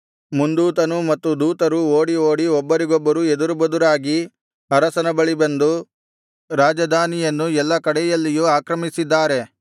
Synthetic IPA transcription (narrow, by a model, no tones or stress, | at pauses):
mund̪uːt̪ɐnumɐt̪ːud̪uːt̪ɐɾuoːɽioːɽiɔbːɐɾiɡɔbːɐɾued̪uɾubɐd̪uɾaːɡi | ɐɾɐsɐnɐbɐɭibɐnd̪u | ɾaːd͡ʒɐd̪ʱaːnijɐnːuɛlːɐkɐɽɛjɐlːijuaːkɾɐmisid̪ːaːɾe̞